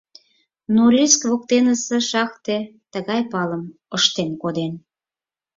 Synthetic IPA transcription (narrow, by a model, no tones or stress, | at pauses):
noɾʲiskβok̚t̪enəsĕʃɑkt̪et̪əɣɑjpɑləm | əʃt̪emkod̪en